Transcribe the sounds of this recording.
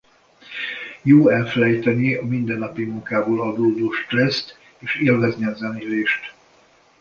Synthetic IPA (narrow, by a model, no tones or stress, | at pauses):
joːɛlfɛlɛjt̪ɛniɒmind̪ɛnːɒpimuŋkaːboːlɦɒd̪oːd̪oːʃt̪rɛst̪ | eːʃeːlvɛzniɒzɛnileːʃt̪